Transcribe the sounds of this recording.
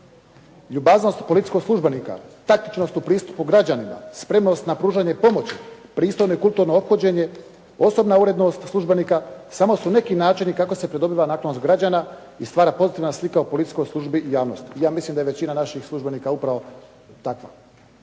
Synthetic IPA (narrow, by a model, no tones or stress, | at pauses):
ʎubazno̞st̪polit̪i̥koɡslˠuʒbe̞nika̰t̪akt̪i̥t͡ʃno̞st̪upɾiːst̪u̥puɡɾad͡ʑanima̰spɾe̞mno̞st̪napɾuːʒaɲe̞po̞mo̞t͡ɕipɾiːst̪o̞jno̞ikulˠt̪uɾno̞opxod͡ʑe̞ɲe̞ | o̞so̞bnauɾe̞d̪no̞st̪slˠuʒbe̞nikasamo̞sune̞kinaːt͡ʃinikako̞se̞pɾed̪o̞biʋanaːklanost̪ɡɾad͡ʑana | ist̪ʋaːɾapo̞zit̪iʋnaslikaopo̞lit̪i̥t͡ʃko̞jslˠuʒbiʔijaːʋno̞st̪ijaːmislˠimd̪aje̞t͡ɕinanaʃixslˠuʒbe̞niːkaupɾaʋo̞ | t̪akʋa̰